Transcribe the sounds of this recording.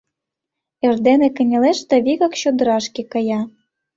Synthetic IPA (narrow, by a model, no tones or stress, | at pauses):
erd̪enĕkɘ̆nʲĕleʃt̪ɤ̆βʲiɣɑkɕod̪ɤ̆ɾɑʃkekɤjɑ